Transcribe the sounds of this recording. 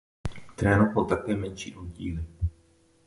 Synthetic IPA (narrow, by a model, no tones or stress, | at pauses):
t̪ɾɛːnofolt̪akɛːmɛnʃḭːʔoɟiːlɪ